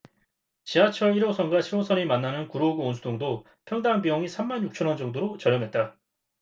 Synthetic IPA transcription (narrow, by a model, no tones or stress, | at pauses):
t͡ɕiɦat͡ɕʰʌɭiɾosʰʌnɡaɕʰiɾosʰʌnimanːanɯnkuɾoɡɯonsʰudoŋdo | pʰjʌŋdaŋbiʌŋisʰamːanjuk̚t͡ɕʰʌnwʌnd͡ʑʌŋdoɾot͡ɕʌɾjʌmɦe̞t̚t͈a